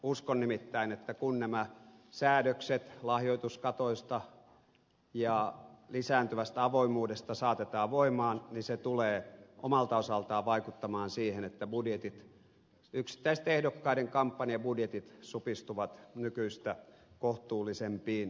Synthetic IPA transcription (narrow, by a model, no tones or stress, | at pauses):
uskonnimit̪ːæinet̪ːækunnæmæsæːdøkset̪lɑhjoit̪uskɑt̪oist̪ɑ | jɑlisæːnt̪yʋæst̪æɑʋoimˑuːdest̪ɑsɑːt̪et̪ɑːʋoimɑːnniset̪uleːʔomɑlt̪ɑosɑlt̪ɑːʋʋɑikut̪ːɑmɑːnsiːhenet̪ːæbudjet̪it̪ | yksi̥t̪ːæist̪ehdokːɑiɾeŋkɑmpːɑniɑbudjet̪it̪supist̪uʋɑt̪nykyist̪ækoht̪uːlːisempiːn